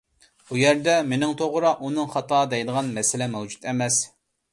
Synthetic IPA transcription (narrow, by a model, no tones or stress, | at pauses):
bujɛɾd̪ɛmenɪŋt̪ʰoʁɾɑʔunɨŋχɑt̪ʰɑːd̪ɛjd̪əʁɑnmɛsɪlɛmɛwd͡ʒut̪ɛmɛs